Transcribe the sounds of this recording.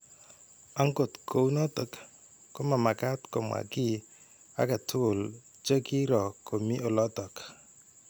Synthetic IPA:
a˦ŋko˨tkʰo˨wnɔ˦tə˦kː | o˦ma˨ma˨ka˦tkɔ˨mwa̰˨ki˦ | a̰˦ka˨tʰu˦˨l | t͡ʃə˦ki˦ɾɔ˨ko˨mi˦ʔo˨lɔ˦tɔ˨k

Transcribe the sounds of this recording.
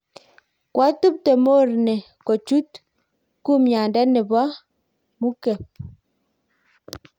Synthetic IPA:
kwa˦tu˦p̚te˨mo˦˨ɾnɛ˨ | ko˨t͡ʃu˦t̚ | ku˦mja˨ndɛ˦nɛ˨ba˦ | mu˦kɛ˨p̚

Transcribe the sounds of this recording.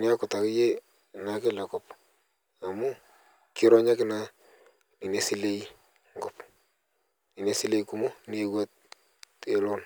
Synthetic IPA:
nɪ˦a˦kʊ˨ta˨kɪ˦je˦ | na˨kɪ˦la˨kɔ˨p | a˨mʊ˦ | kɪ˦ɾɔ˦ɲa˦kɪ˦na˦ | ni˨ne˨si˦le˦i˦ | ŋɡɔ˨p | ni˨ne˨si˦le˦iku˨mʊ˦ne˦wɛ˦t̚ | e˨lɔ˦n

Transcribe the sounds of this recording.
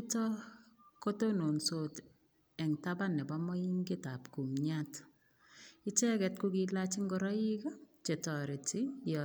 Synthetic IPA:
tɔ˦ko˦to˦no˨nso˨t | ɛ˨ŋtaba˦nɛ˨ba˦mɔ˦i˦ŋɡɪ˦ta˨pku˨mɲat | ɪ˦t͡ʃɛ˦kɛ˨tku˦kila˦t͡ʃɪ˦ŋɡɔ˦ɾɔ˦i˦ɡɔ˦t͡ʃe˨tɔ˨ɾɪ˨ti˦jɔ

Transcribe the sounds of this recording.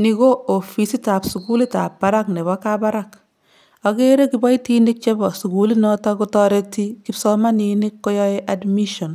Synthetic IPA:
ni˦ko˦o˨fi˨si˦ta˨psu˨ku˦li˦ta˨pːa˦ɾa˦kne˨bɔkaba˦ɾak | a˨ɡe˦ɾe˦ki˨ba˦i˦ti˦nik̚t͡ʃe˦bɔ˨su˨ku˨li˦nɔ˦tɔku˦tɔ˦ɾe˦ti˦ki˦psɔ˦ma˦ni˧ni˦kːo˦jɔeʔadmi˦ʃɔ˨n

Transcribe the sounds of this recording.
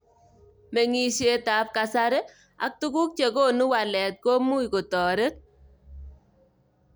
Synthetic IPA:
me˨ŋi˦ʃe˦ta˨˦p̚ka˨sa˦ɾe˦ | a̰˨k̚tu˦ku˦k̚t͡ʃe˨ko˦nu˦wa˨lɛ˨t̚ko˦mu˦i˨ko˨tɔː˨ɾe˦t̚

